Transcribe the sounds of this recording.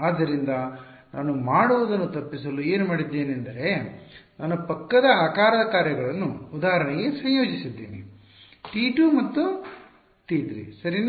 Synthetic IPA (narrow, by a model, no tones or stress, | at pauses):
aːd̪ːɐɾind̪ɐ | naːnumaːɽuʋud̪ɐnːut̪ɐpːisɐlue̞ːnumaːɽid̪ːeːniɐnd̪ɐɾe̞naːnupɐkːɐd̪ɐaːkaːɾɐd̪ɐkaːɾjɐɡɐɭɐnːuːd̪aːɦɐɾɐɳeɡesɐjjo̞ːd͡ʒisid̪ːḭːnḭ | ʈiːʈuːmɐt̪ːu | ʈiːtɾḭsɐɾin